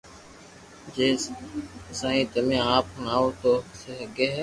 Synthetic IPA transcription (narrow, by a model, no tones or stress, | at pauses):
d͡ʒeː | sãːĩːt̪əmẽːaːpnaːoːt̪oːseɦəɡeːɦɛː